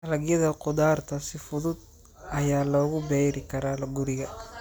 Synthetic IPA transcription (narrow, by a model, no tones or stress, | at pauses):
ʔɐlɐɡjɐðɐqʊd̪aːrt̪ʰɐsɪfʊðʊd̪̚ | ɐjaːlɔːɣʊbɛjɾɪkʰɐɾaːlɐɡʊɾɪɣɐ